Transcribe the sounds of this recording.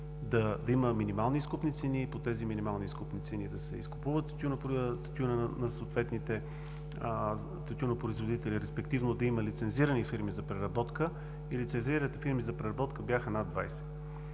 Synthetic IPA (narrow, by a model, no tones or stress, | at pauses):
d̪ɐd̪ɐiməminimalˠniskupnit̪sɛnipot̪ɛziminʲimalˠniskupnit̪sɛnid̪ɐsɛ̰ḭskʊpuvət̪t̪ɐt̪junt̪ɐt̪junənɐsot̪vɛt̪nit̪ɛ | t̪ɐt̪junopɾoizvod̪it̪ɛliɾɛspɛkt̪ivnod̪ɐiməlit̪sɛnziɾənifiɾmizɐpɾɛɾɐbɔt̪kə | ilit̪sɛnziɾənit̪ɛfiɾmizɐpɾɛɾɐbɔt̪kəbjaxənad̪vajsɛ̥